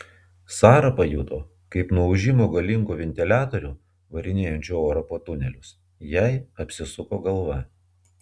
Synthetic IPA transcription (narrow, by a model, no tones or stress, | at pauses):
sɑːɾɐpɐjṵːt̪oː | kɐɪpnuɔʊʒʲɪmoːɡɐlʲɪŋkuːʋʲɛnʲt̪ʲɪlʲæːt̪oɾʲuː | ʋɐɾʲɪnʲeːjɛnʲt͡ʃʲuːoːɾɐpoːt̪ʊnʲɛlʲʊs | jɛɪɐpʲsʲɪsʊkoːɡɐlˠʋɐ